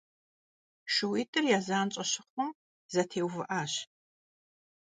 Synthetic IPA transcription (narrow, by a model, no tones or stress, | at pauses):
ʃʊwiːtʼɨrjaːzaːnt͡ʃʼɐɕɪχʷʊm | zɐtʰeːwvɨʔaːɕ